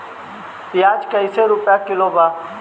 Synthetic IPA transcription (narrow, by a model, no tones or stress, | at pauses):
pɪjaːd͡ʒkəiseːɾʊpjaːkɪloːbaː